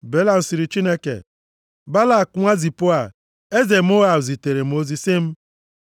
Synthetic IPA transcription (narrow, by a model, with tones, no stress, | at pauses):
be˦la˦n̩˨si˨ɾi˨t͡ʃi˦ne˦kḛ˨ | ba˦la˦˨kŋʷa˦zi˨pʊ˦a˨ | e˦ze˨m̩˦ʊ˦ɣa˨zi˨te˨ɾe˨m̩˨˦o˦zi˨sɪ˦m̩˦